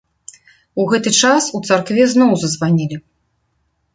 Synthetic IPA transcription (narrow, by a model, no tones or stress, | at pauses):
uɣɛt̪ɨt͡ʂasut̪sarkvʲɛznɔwzɐzvanʲilʲi